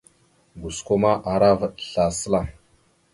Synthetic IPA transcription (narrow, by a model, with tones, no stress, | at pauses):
ɡu˨sko˦ma˦ʔa˨ɾa˦və˨ɗɬa˨sə˦la˨